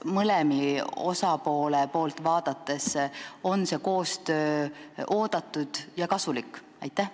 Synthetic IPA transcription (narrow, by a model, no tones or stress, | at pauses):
mɤlemio̞̰sɑpo̞ːlepo̞ːlt̪ˑvɑːd̪̥ɑt̪ːˑe̞so̞nse̞ko̞ːst̪ø̞ːʔo̞ːd̪̥ɑt̪ːˑud̪̥jɑkɑsulikˑː | ɑjt̪ːˑæh